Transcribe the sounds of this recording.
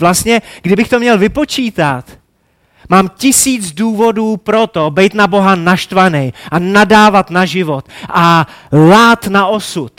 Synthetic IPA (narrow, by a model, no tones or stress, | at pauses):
vlast̪ɲɛɡdɪbɪxt̪o̞mɲɛlvɪpo̞t͡ʃiːt̪at̪ | maːmcɪsiːt͡sduːvo̞duːpɾo̞t̪o̞bɛjt̪nabo̞ɦanaʃt̪vanɛjʔanadaːvat̪naʒɪvo̞t̪ʔalaːt̪naʔo̞sut̪